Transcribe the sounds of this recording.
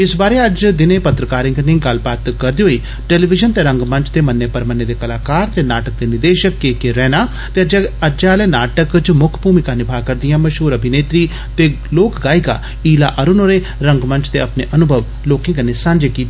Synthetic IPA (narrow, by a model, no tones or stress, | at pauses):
ɪsbaːɾeɐd͡ʒd̪ɪnepɐt̪ɾəkaːɾɪ̃ŋɡənĩɡɐlbaːt̪kɐɾd̪ijoi | ʈeːliʋɪd͡ʒənt̪eɾɐ̃ŋɡmɐ̃nt͡ʃʰt̪emɐnːepɐɾmənːed̪ekɐlaːkaːɾt̪enaːʈək̚d̪enɪd̪eːʃəkːeːkeɾɛːnaː | t̪eəd͡ʒaːlenaːʈəkt͡ʃmʊkʰbʱuːmikanɪbʱaːkɐɾd̪ijãːmɐʃɦuːɾɐbʱineːt̪ɾi | t̪e | loːkɡaːiɡa̰ | iːlaʔɐɾʊnoːɾe | ɾɐ̃ŋɡmɐ̃nt͡ʃʰt̪eɐpneʔɐnʊbʱəʋ | loːkɪ̃ŋɡənesãːɲd͡ʒekiːt̪ː